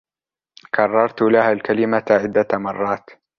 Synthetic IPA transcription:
kʰɑrˤːɑɾˤt̪lahaːlkalɪmaʕɪd̪ːamɑrˤːɑːt̪

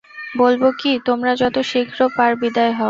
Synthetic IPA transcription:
bolbokit̪omɾad͡ʑɔt̪oʃikʰɾopaɾbid̪aeɦɔ

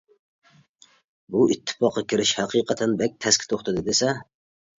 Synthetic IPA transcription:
buit̪ʰːɪ̥pɑqːɑkʲʰiɾɪʃhæqʰiqʰət̪ʰɛnbɛk̚ʲt̪ʰɛskʲi̥t̪ʰoχt̪ʰɨd̪ɨd̪esɛ

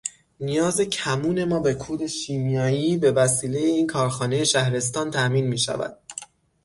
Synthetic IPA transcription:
nijɒːze̞cʰæmuːne̞mɒːbe̞kʰuːd̪e̞ʃiːmijɒːjiːbe̞væsiːle̞jeiːnkʰɒːɾxɒːne̞je̞ʃæhɾe̞s̬t̪ɒːnt̪ʰæʔmiːnmiːʃæ̰væ̰d̪̥

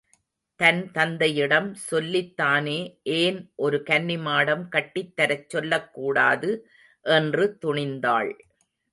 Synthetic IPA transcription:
t̪ɐnt̪ɐnd̪ɐjɪɽɐmsɔlːɪt̪ːaːneːʔeːnʔɔɾɯkɐnːɪmaːɽɐmkɐʈːɪt̪ːɐɾɐt͡ʃːɔlːɐkːuːɽaːðɯ | ʔɛndrɯt̪ʊɳɪnd̪aːɭ

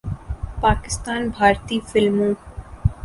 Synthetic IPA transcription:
paːkɪst̪aːnbʱaːɾt̪iːfɪlmõː

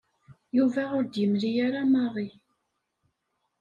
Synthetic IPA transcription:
juvæʊɾd̪jəmɾijaɾamɑʁˤi

